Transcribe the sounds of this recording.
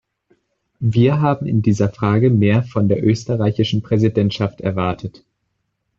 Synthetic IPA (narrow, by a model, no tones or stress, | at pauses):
viːɐɦaːbm̩ɪ̰ndiːzɐfʁ̥aːɡəmeːɐfɔndeːɐʔøːstəʁaɪçɪʃn̩pʁ̥ɛzidɛntʃaftɛ̰ɐvaɐtʰət